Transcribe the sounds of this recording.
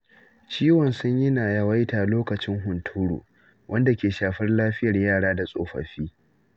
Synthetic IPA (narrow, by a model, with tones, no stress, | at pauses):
t͡ʃiː˦wɔ˨nsʊ˦ɲjɪ˦naː˨jɐ˦wa˦jtaː˨loː˦kɐ˨t͡ʃɪ˦ŋɦʊ˨ntʰu˦ɽṵː˨ | wʔɐ˦nda˨kʲeː˨ʃaː˨ɸɐ˦rlaː˦ɸɪ˦jɐ˨rjaː˦˨ɽaː˦da˨sʼo̰ː˦ɸɐ̰˨ɸiː˦